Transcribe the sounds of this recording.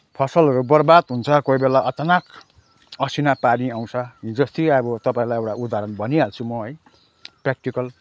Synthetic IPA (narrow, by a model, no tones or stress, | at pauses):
pʰʌsʌlɾobʌrbad̪ɦunt͡sʰʌkoibelaʔʌtʌnak | ʌsinapaɾiaw̃t͡sʰʌid͡zʌst̪iabʌt̪ʌpãj̃lajewʈaʔud̪ʱaɾʌnbʱʌniɦalt͡sʰumʌɦʌj | prak̚ʈikʌl